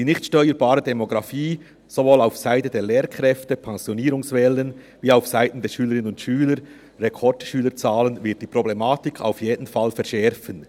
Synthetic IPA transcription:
d̥iːnɪçtʃtœʏəɾbaːɾədɛmoɡʁɑfiː | z̥ovoːlaʊfsaɪtədeːleːɾkʰʁɾɛftəpʰɛŋzjoniːɾʊŋsvɛlːən | viːaʊfsaɪtn̩dɛːʃyːləɾɪnənʊntʃyːləɾ | rekʰɔɹtʃyːləɾt͡saːlənvɪɐt̚d̥iːpʁoblemaːtɪkʰa̰ʊfjeːdən̩falfɛɐɾʃɛɾfən

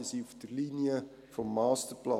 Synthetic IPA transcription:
siufd̥ərliniə | fɔmːɑːstəɾplɑ

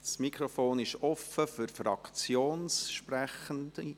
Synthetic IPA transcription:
smikʰɾofoːnɪʃɔfəfyɾfrɑ̰kt͡sjoːnsʃpræχənt

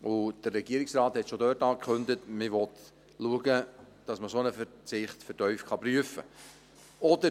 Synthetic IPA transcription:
ʊd̥ərːɛɡ̥iəɾɪksrɑːthɛtʃodœːrtɑːkχɵndətmɪʋɔt̪ | luəɡə | d̥ɑsməsonəfəɾt͡sɪχtfətœʏfkʰɑpɾyəfə̰ | ɔd̥ə

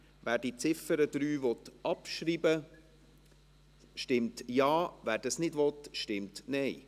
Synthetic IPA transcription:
væːɾd̥it͡sɪfəɾəd̥̪ɾyːvɔt̪ɑpʃɾiːbə | ʃtɪmtjɑːʋæːɾd̥ɑsnɪdʋɔt̪ʃtɪmtnɛɪ

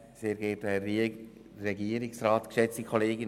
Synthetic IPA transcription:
seːɾɡeːtɛ | rɛɡiəɾɪksraːt̪kʃɛt͡stikʰɔleːɡɪn

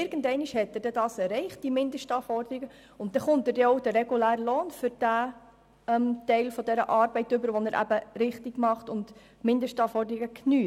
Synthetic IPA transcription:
ɪɾɡ̥ən̩dɛɪniʃhɛtːəd̥ɛdɑːsɛɾɛɪχt̚d̥imɪnd̪əʃtɑːfɔɾdəɾiɡə | ʊnt̚d̥ɛχʊntədɛɔʊd̥əɾɛɡulæːɾəlɔːnfʏɾd̥æ | ɛmtɛɪlfɔdɛɾəʔɑːɾbɛɪtʏbəɾʋɔnəɾʔæ̰bəɾɪχtiɡ̥mɑχtʊnd̥ | mɪndəʃtɑfɔɾdəɾiɡəkʰnyː

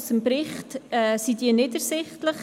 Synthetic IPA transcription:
səmbɾɪχtɛːsidiːənɪdəɾsɪχtləχ

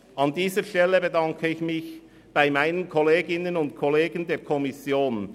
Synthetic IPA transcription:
ɑndiːzəɾʃtɛləbədɑŋkʰəɪçmɪç | b̥aɪmaɪnənkʰɔleːɡɪnənʊnt̚kʰɔleːɡəndeːkʰɔmɪsjoːn

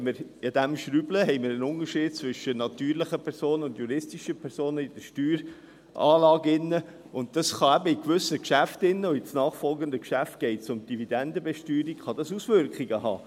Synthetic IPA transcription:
məɾɑd̪æmʃɾybləɦɛɪmɪɾənʊnəɾʃiːd̥̚t͡svʏʃənɑt̪yːɾlɪχəpʰɛɾsoːnənʊndjuɾɪstiʃəpʰɛɾsoːnəid̥əʃtyːɾ | ʔɑːlɑːɡɪnːə | ʊnt̚dɑsχɑæbəɪkʋʏsəkʃæftɪnːəɔit͡snɑːχfɔlɡənd̪əkʃæft̚ɡ̥ɛɪtsʊmd̥ivid̪ɛndəbɛʃtyːɾikχɑd̥̪ɑsusʋʏɾkχiɡəhɑ̰ː

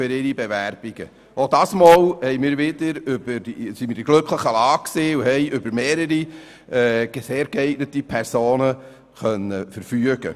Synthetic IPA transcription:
fʏɾɪɾibeværb̥iɡ̥ə̰ | ʔodɑːsmoːlhɛɪmɪːɾvɪd̥əɾʏb̥əɾd̥isimɪːd̥iɡ̥lɵkχləχəlɑːkseːuhɛɪʔʏbəɾmeːɾəɾi | ɛːɡ̥seːɾɡ̥ɛɪɡnətipʰɛɾsoːnə | χœnəfəɾfyəɡ̥ə̰

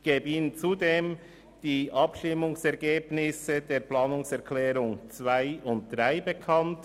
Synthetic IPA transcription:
ɡ̥eːbəiːnənt͡sudeːm | d̥iːʔɑpʃtɪmʊŋsɛʁɡeːbnɪsəd̥eːɾplɑːnʊŋsɛɐkʰlɛːʁʊŋt͡svaɪʊnt̚d̥ʁaɪbekʰɑnt

